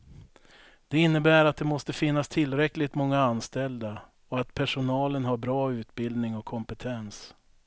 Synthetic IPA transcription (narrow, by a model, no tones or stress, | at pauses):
d̪̥ɛɪnːəbæːɾat̪̚d̪ɛmɔst̪əfɪnːast̪ʰɪlːɾɛklɪɡt̪mɔŋːaanst̪ɛld̪a | ɔat̪pʰæʂʊnɑːlənɦaɾbɾɑːʉ̟ːt̪bɪld̪nɪŋɔkʰːɔmpət̪ʰɛns